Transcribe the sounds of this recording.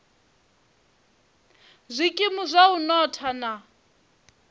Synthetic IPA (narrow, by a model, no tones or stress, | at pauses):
zʷikʼimuzʷaunɔtʰana